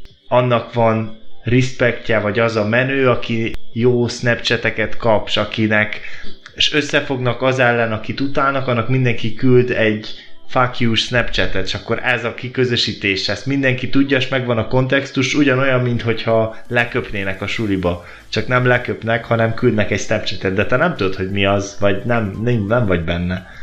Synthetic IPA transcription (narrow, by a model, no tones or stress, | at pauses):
ɒnːɒkʋɒnrispɛkcɛvɒɟɒzɒmɛnøːɒkijoːsnɛpt͡ʃɛt̪ɛkɛt̪kɒpʃɒkinɛk | eʃø̞sːɛfo̞ɡnɒkɒzɛlːɛnɒkit̪ut̪aːlnɒkɒnːɒkmind̪ɛŋkikyld̪ɛɟfakjuːʃsnɛpt͡ʃɛt̪ɛt̪e̥ʃɒkːo̞ɾʔɛzɒkikø̞zø̞ʃiːt̪eːʃɛst̪mind̪ɛŋkit̪uɟːɒeʃmɛɡʋɒnɒko̞nt̪ɛkst̪uʃuɟɒno̞jɒmːint̪ho̞chɒlɛkø̞pneːnɛkɒʃulibɒ | t͡ʃɒknɛmlɛkøpnɛkhɒnɛmkyld̪nɛkɛcsnɛpt͡ʃɛt̪ɛd̪̚d̪ɛt̪ɛnɛmt̪ud̪ot̪ho̞ɟmiɒzʋɒɟnɛmnɛɱvɒɟbɛnːɛ